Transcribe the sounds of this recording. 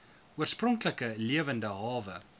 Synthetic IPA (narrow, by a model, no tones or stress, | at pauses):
uərsprɔŋkləkəliəvəndəɦɑːvə